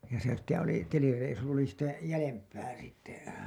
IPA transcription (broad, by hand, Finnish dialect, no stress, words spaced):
jɑ se sitːe oli telireisu oli sitæ jælempˑæː sitːe